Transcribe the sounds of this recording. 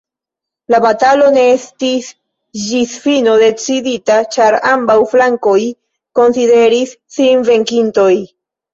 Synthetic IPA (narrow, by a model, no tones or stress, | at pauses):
labatalo̞ne̞estis | d͡ʒisfino̞de̞t͡siditat͡ʃaɾambawflaŋko̞j | ko̞nside̞ɾisːinve̞ŋkinto̞j